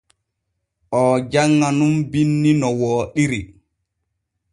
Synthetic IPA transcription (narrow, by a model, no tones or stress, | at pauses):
ʔɔd͡ʒaŋːanumbinːinɔwɔːɗiɾi